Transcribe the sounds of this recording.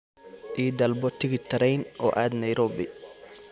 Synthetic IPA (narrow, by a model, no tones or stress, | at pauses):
ʔiːd̪ɐlbɔt̪ʰɪɣɪt̪ʰɐɾɛjnʔɔ̰ːʔaːd̪nɐjɾɔːbɪ